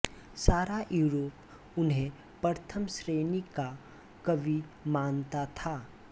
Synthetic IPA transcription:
saːɾajuːɾoːp | ʊnɦẽ | pəɾt̪ʰəmsɾeːnika | kɐbʱimaːnt̪at̪ʰaː

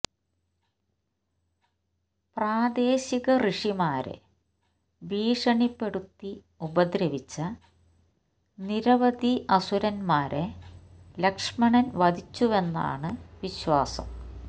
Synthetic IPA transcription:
praːd̪e̞ːɕiɣɐriʂimaːɾḛ | ʋiːʂɐɳipːe̞ɽut̪ːi | ubɐd̪ɾɐʋit͡ɕːɐ | niɾɐʋɐd̪iʔɐsuɾɐnmaːɾe | lɐkʂmɐɳɐnʋɐd̪ʱit͡ɕːuʋe̞nːa̰ːɳɨʋiɕwaːsɐ̰m

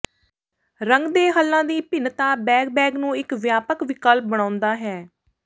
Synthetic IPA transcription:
ɾəŋɡd̪eːɦəlːãːd̪iːpɪnt̪aːbɛːɡbɛːɡnũːɪkʋjaːpəkʋɪkəlp̚bəɳ̃ãːʊnd̪aːɦɛː

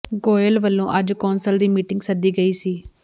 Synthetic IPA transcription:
ɡoːəlʋəlːõːʔəd͡ʒkɔːnsəld̪iːmiːʈɪ̃ŋɡsəd̪iːɡəiːsiː

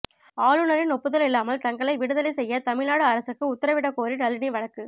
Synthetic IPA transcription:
aːɻɯnɐɾɪnɔpːɯðɐlɪlːaːmɐlt̪ɐŋɡɐɭɐɪʋɪɽɯðɐlɐɪsɛjːɐt̪ɐmɪɻnaːɽɯɐɾɐsɯkːɯʊt̪ːɐɾɐʋɪɽɐkːoːɾiʈɐlːɪniʋɐɻɐkːɯ

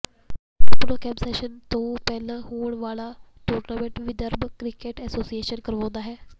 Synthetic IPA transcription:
loːkɛːbseːʃənt̪õːpɛːlhuːɳʋaːlaːʈoːɾnaːmẽɳʈʋɪd̪əɾbkɾɪkeːʈɛːsoːsieːʃənkəɾʋõːnd̪aːɦɛː

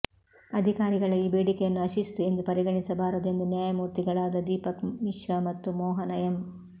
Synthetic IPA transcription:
ɐd̪ʱikaːɾiɡɐɭɐjibeːɽikɛjɐnːuɐʃist̪ue̞nd̪upɐɾiɡɐɳisɐbaːɾud̪end̪ɐnjaːjɐmuːɾt̪iɡɐɭaːd̪ɐd̪iːpɐkmiʃɾɐmɐt̪ːumɔːɦɐnɐjɐm

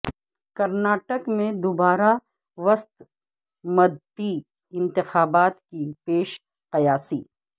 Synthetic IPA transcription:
kɐɾnaːʈəkmẽd̪ʊbaːɾa | ʋɐst̪ | mɐd̪t̪i | ɪ̃nt̪ɪxaːbaːt̪kipeːʃ | qɐjaːsiː

